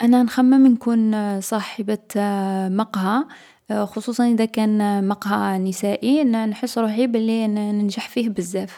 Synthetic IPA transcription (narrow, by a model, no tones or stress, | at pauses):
ʔænænxæmːəmnkunsˤɑħəba | mɑqhɑ | xosˤusˤɑnʔəd̪ækænmɑqhɑnəsæʔinnħəsˤːɾuħibælːinənʒaħfihbəzːæf